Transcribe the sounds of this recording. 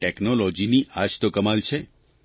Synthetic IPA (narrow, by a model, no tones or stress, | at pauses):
ʈeknolɔd͡ʒiniʔaʃt̪okəmalt͡ʃʰe